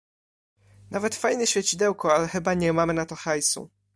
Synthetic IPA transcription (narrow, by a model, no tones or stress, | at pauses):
navɛt̪fajnɛɕfʲjɛt͡ɕid̪ɛwkɔalɛxɘbaɲɛmamɘnat̪ɔxajsṵ